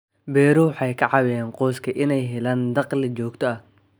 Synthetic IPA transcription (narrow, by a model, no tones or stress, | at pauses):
bɛːɾɔwħɑjkʰɐʕɑwɪjɛːnqɔːskʰɐʔɪnɛjɦɛlaːnd̪ɑqlɪt͡ʃɔːɡt̪ʰɔɐh